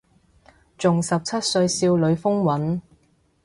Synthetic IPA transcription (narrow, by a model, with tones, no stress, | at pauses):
t͡sʊ˨ŋsɐ˨p̚t͡sʰɐ˥t̚sɵ˧ɥsiː˧wlɵ˨˧ɥfʊ˥ŋwɐ˨˥n